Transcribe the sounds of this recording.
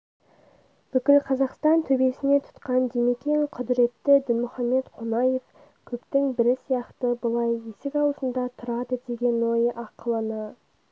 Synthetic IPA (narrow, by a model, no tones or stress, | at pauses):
b̥ʏkʲɪlqʰɑzɑqst̪ɑnt̪ʰɵbe̞sɪne̞t̪ʰʊ̥t̪qɑnd̪emekʲeŋqʰʊd̪ɪɾe̞t̪ːɪd̪ɪnmʊχɑmːe̞t̪qʰonɑje̞f | kʲʰɵpt̪ɪŋbɪɾɪsijɑqt̪əbʊlˠɑje̞sɪkʲɑwəsənd̪ɑt̪ʰʊɾɑd̪əd̪e̞ɡʲe̞nwo̞jəʔɑqʰəlˠənə